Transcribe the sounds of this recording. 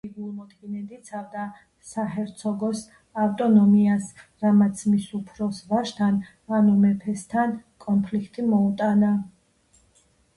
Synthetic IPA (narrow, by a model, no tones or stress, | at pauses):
iɡulˠmɔd̪ɡinɛd̪it̪sʰavd̪a | sahɛɾt̪sʰɔɡɔs | avt̪ʼɔnɔmiasɾamat̪sʰmisupʰɾɔsvaʃt̪ʰan | anumɛpʰɛst̪ʰankʼɔnpʰlikʰt̪ʼimɔut̪ʼana